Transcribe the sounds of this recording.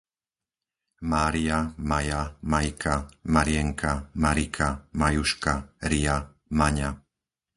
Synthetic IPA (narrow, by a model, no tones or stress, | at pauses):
maːɾiamajamajkʰamaɾɪjɛŋkʰamaɾikʰamajuʃkaɾija | maɲa